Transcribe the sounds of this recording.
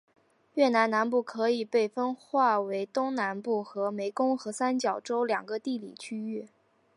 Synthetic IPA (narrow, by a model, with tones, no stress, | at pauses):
ɥɛ˥˩na˧˥nna˧˥npu˥˩kʰɤ˧˥i˨˩pe˥˩ɪfə˥nxwa˥˩we˧˥ɪt̪ʊ˥ŋna˧˥npu˥˩xɤ˧˥me˧˥ɪkʊ˥ŋxɤ˧˥sa˥nt͡ɕjɑ˨˩ʊʈ͡ʂo˥ʊljɑ̰˨˩ŋɡə˦t̪i˥˩lḭ˨˩t͡ɕʰy˥y˥˩